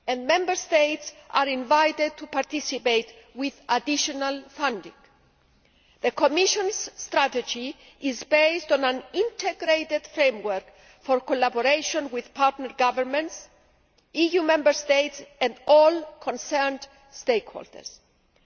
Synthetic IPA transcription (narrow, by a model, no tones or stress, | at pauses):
ɛ̃ndmɛ̃mbəɾst̪ejtsʔaɾĩnvajt̪ed̪̚t̪upaɾt̪isipejt̪wiðad̪iʃonalfãndḭ̃ŋɡ | ðəkʰomiʃõnsːt̪ɾat̪ed͡ʒi | izbejst̪ɔ̃nãnĩnt̪ʰeɡɾejt̪ed̪̥fɾẽjmwəɾk | foɾkolaboɾeʃõnwið̥pʰaɾt̪nəɾɡavəɾmɛ̃nts | ijumɛ̃mbəɾst̪ejtsɛ̃ndɔlkʰõnsɛɾnd | st̪ejkho̰ld̪ə̰ɾs